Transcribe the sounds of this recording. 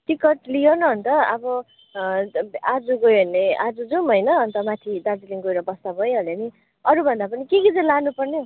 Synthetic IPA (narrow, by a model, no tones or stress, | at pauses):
ʈikʌʈlijonʌɦːnt̪ʌʌbʌ | ad͡zuɡojʌnead͡zud͡zumɦʌjnʌɦʌnt̪ʌmat̪ʰid̪ad͡ziliŋɡojɾʌbʌst̪abʱʌjɦoleni | ʌɾubʱʌnd̪apʌnikeɡid͡zʌlanupʌrnje